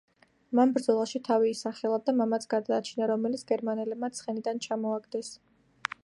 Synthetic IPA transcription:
manbɾd̪zɔlˠaʃit̪ʰaviːsaχɛlˠad̪amamat̪sʰɡ̥aɾd̪aːt͡ʃʰinaɾɔmɛlit̪sʰɡ̥ɛɾmanɛlɛb̚mat̪sʰχɛnid̪ant͡ʃʰamɔaɡd̪ɛs

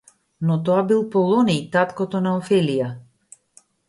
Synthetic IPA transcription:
nɔt̪ɔabilˠpɔlˠɔnijt̪at̪kɔt̪ɔnaɔfɛlija

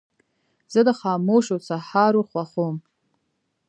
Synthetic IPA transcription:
z̥ɨdaχaːmowʃot͡sʰaħaɾuχʷaχom

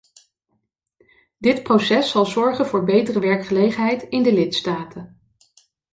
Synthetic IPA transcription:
dɪtprosɛsːɑlˠzɔɹχənvʊːɹbejtərəʋɛɹkχəlejχənɦɛjtɪndəlɪtstaːtʰən

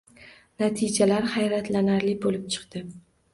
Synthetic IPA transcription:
nat̪ʰɪd͡ʒalaɾhajɾat̪ʰlanaɾlɪbolɪp̚t͡ʃʰɨ̥qt̪ɪ

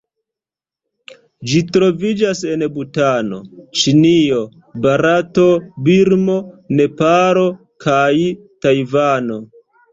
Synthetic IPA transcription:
d͡ʒitɾo̞vid͡ʒase̞nbutano̞t͡ʃinio̞ | baɾato̞biɾmo̞ne̞paɾo̞ | kʰaj | tajvano̞

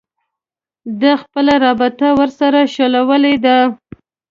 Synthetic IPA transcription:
d̪axpəlaɾɑbɪt̪awəɾsaɾaʃolawəled̪a

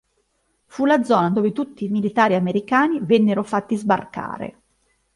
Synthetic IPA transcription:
fulad̪zɔːnad̪oːvet̪ut̪ːiːmilit̪aːɾiameɾikaːnivɛnːeɾofat̪ːizba̰rka̰ːɾḛ

